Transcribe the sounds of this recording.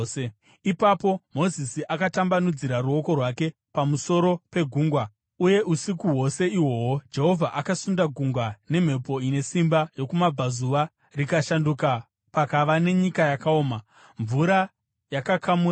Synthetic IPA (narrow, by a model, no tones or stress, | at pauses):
ipapo̞mo̞zisiʔakatambanud͡ziɾaruo̞ko̞rwake̞ | pamuso̞ɾo̞pe̞ɡʱuːŋɡwa | uje̞ʔusikuɦwo̞se̞iwo̞wod͡ʒe̞ɦo̞vʱaʔakasundaɡʱuŋɡwane̞m̤e̞po̞ine̞simbajo̞kumab͡vʱazuʋa | rikaʃanduka | pakaʋane̞ɲikajakaoːma | ɱvuɾa | jakakʰamu